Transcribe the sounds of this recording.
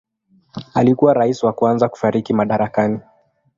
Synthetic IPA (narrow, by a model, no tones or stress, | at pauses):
alikuwaɾaisiwakuanzaku̥faɾikimaɗaɾakani